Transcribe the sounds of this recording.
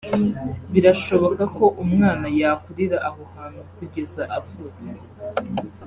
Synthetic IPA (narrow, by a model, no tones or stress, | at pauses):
βiɾaʃo̞βo̞kako̞ʔumŋaːnajakuɾiɾaʔaɦohaːnhukuɟe̞zaʔapot͡se̥